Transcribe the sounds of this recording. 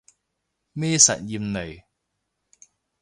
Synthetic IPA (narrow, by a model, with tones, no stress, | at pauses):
mɛː˥sɐ̰˨t̚jiː˧mne˨˩j